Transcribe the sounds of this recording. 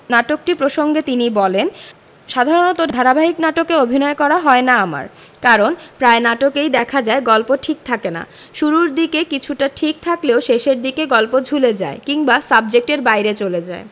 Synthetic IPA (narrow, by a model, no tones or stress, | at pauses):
naʈok̚ʈipɾoʃoŋɡet̪inibɔlen | ʃad̪ʱaɾonɔt̪od̪ʱaɾabaɦiknaʈokeobʱinɔekɔɾaɦɔenaama̰ɾ | kaɾonpɾaenaʈokejd̪ɛkʰad͡ʑaeɡɔlpoʈʰik̚t̪ʰakena̰ | ʃuɾuɾd̪ikekit͡ɕʰuʈaʈʰik̚t̪ʰakleoʃeʃeɾd̪ikeɡɔlpod͡ʑʱuled͡ʑa̰ekiŋbasab̚d͡ʑek̚ʈeɾbajɾet͡ɕoled͡ʑae